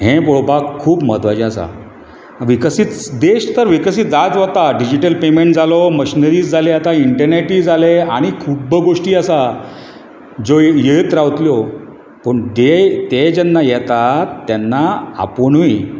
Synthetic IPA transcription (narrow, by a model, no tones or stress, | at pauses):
ɦẽpoɭobakkʰːuːpməd̪ʋad͡ʑĩasa̰ | ʋikəsit͡sd̪eɕt̪əɾʋikəsid͡zat͡sʋat̪aɖid͡ʑiʈəlpemẽɳʈ̚d͡zʱalɔməɕinəɾiːd͡zd͡zʱaleat̪aiɳʈəɾneʈiːd͡zaleaɽ̃ikʰupbəɡoʂʈiːasa | d͡zojeɭt̪ɾaʋt̪ljɔ | pəɳd̪et̪ed͡ʑɛnːajɛt̪at̪ːjanːaa̰ponui